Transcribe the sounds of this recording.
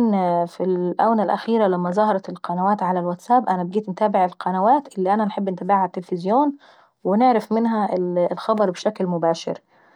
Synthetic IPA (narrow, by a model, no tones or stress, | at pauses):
nfilʔæ̰wnælʔæ̰xiːɾælæmːæzˤɑhɑɾˤɑt̪elqɑnæwæːt̪ʕalælwæt̪sæbʔænæbeɡiːt̪nt̪æːbɪʕelqʰɑnæwæːt̪ʔɪlːiːʔænænħebːʔɪnt̪æbaʕhat̪ːelfɪzjoːn | wɪnɪʕɾɪfmɪnɦælxɑbɑɾˤbeʃæklmʊbæːʃɪ̰ɾ